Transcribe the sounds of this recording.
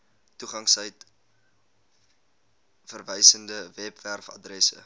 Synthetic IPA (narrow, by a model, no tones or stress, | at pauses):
tuχɐŋsəjt | fərvəjsəndəvɛpværfɐ̰drɛsə̰